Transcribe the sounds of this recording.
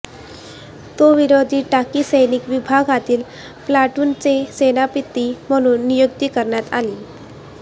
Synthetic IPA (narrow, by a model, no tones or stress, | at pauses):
t̪oʋiɾod̪ʱiːʈakisəjnikʋibʱaɡʱat̪iːl | plaʈuːnt͡sesenapit̪ːim̤əɽ̃uːnːijoɡ̚t̪ikəɾɳjat̪a̰li